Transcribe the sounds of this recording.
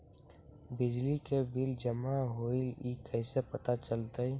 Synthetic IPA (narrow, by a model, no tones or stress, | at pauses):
bɪd͡ʒlikebɪld͡ʒəmaɦoːilikɛːsepət̪at͡ʃəlt̪əi